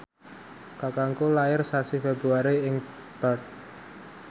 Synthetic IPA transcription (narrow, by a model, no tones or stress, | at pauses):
kakaŋkulaɪrsasifebɾuaɾiɪŋ | b̥at̪̚